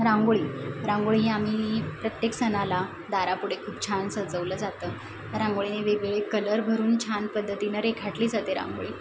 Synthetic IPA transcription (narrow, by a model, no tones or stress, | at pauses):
ɾãŋɡoɭiːɾãŋɡoɭiɦiam̤iːpɾət̪jeksənala | d̪aɾapuɽ̤ekʰuːp̚t͡ɕʰansəd͡zəʋləːd͡zat̪əː | t̪aɾãŋɡoɭineʋeɡɭekələɾbʱəɾuːnt͡ɕʰanpəd̪ʱːət̪inəɾekʰaʈliːd͡zat̪eɾã̰ŋɡoɭiː